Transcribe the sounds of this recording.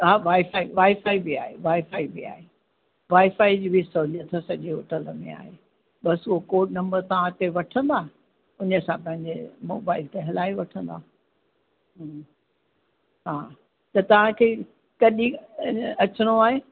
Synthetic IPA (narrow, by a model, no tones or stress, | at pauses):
ɦaːʋaːɪfaːiʋaːɪfaːibia̰ːɦḛʋaːɪfaːibia̰ːɦe | ʋaːɪfaːid͡ʑiːbʱisoːd͡ʑət̪ʰɐsɐʄeɦo̰ːʈələmḛ̃a̰ːɦe | ɓɐsʊɦokoːʈ̚nɐ̃mbəɾt̪ɐʋ̤ãt̪ʰeʋɐʈʰə̃nd̪aː | ʊnəsãpɐ̃ɦɪ̃ɲd͡ʑemo̰ːbaːɪlt̪eɦɐlaːiʋɐʈʰə̃nd̪a̰ː | ɦ | ɦaː | t̪ɐt̪ɐʋ̤ãkʰeː | kɐɗĩɐt͡ɕəɽ̃oaːɦeː